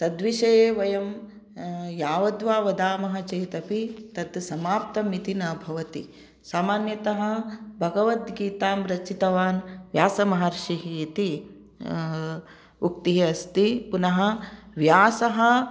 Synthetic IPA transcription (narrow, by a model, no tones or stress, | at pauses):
t̪ɐd̪ʋiʃɐjeːʋɐjɐm | jaːʋɐd̪ʋaːʋɐd̪aːmɐɦɐ̆t͡ʃɐjt̪ɐpit̪ɐd̪sɐmaːp̚t̪ɐmit̪inɐbʱɐʋɐt̪i | saːmaːnjɐt̪ɐɦɐ̆bʱɐɡɐʋɐt̪ɡiːt̪aːmɾɐt͡ʃit̪ɐʋaːnʋjaːsɐmɐɦɐɾʃiɦiːt̪i | ukt̪iɦiɐst̪ipunɐɦɐ̆ʋjaːsɐɦɐ̆